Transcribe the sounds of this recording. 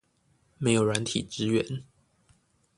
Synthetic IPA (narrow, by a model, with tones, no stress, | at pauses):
me˧˥ɪjo˨˩ʊɻa˧˦nt̪ʰḭ˨˩ʈ͡ʂɻ̩˦˥ɥɛ˧˦n